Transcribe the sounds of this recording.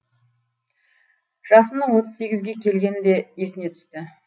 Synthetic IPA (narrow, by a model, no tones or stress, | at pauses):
ʒ̥ɑsənəɴwo̞t̪əzse̞ɡʲɪzɡʲe̞kʲʰe̞lɡʲe̞nd̪e̞je̞sɪne̞t̪ʰʏ̥st̪ɪ